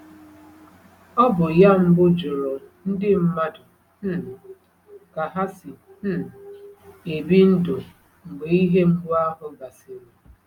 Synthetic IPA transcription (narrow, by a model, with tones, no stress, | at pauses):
ɔ˦bʊ˨ja˦m̩˦bʊ˦d͡ʒʊ˨ɾɔ˨n̩˦dɪ˦m̩˦ma˦dʊ˨ | n̩˦˨ | ka˨ɦa˦sɪ˨ | n̩˦ | e˨bi˦n̩˦do˨ | ŋ͡m̩˨ɡ͡be˨i˦ɦe˦m̩˦ɡ͡bʊ˦a˦ɦʊ˦ɡa˨sɪ˨ɾe˨